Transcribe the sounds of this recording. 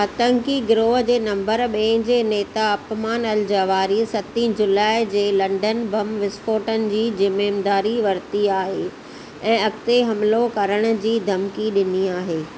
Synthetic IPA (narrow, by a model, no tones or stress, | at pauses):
ɐt̪ə̃ŋkiɡɪɾoːɦd͡ʑeːnɐ̃mbəɾɓẽɪ̃d͡ʑeːneːt̪aɐpmaːnɐld͡ʑaʋaːɾisɐt̪ĩːd͡ʑʊlaːɪd͡ʑeːlɐ̃ɳɖənbɐmʋɪsfoːʈənɪ̆d͡ʑiːd͡ʑɪmeːmd̪aːɾiʋɐɾt̪iaːɦe | ɛ̃ːɐkt̪eɦɐmlokɐɾəɽ̃̆d͡ʑiːd̪ʱɐmkiɗɪniaːɦeː